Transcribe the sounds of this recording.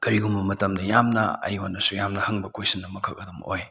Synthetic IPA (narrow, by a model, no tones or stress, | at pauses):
kɐɾiɡumbɐmɐtɐmdɐjamnɐ̰ɐ̰jwanɐsujamnɐhɐŋbɐkojsɐnːɐmɐkʰɐk̚ɐdɐmo̰j